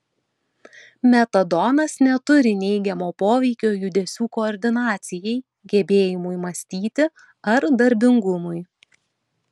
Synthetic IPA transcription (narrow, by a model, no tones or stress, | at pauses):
mʲɛt̪ɐd̪ɔnɐsnʲɛt̪ʊɾʲɪnʲɛɪɡʲɛmoːpoːʋʲɛɪkʲoːjʊd̪ʲɛsʲuːkoɔɾʲd̪ʲɪnɑːt̪sʲɪjɛɪ | ɡʲɛbʲeːjɪmʊjmɐsʲt̪ʲiːt̪ʲɪ | ɐɾd̪ɐɾʲbʲɪŋɡʊmʊɪ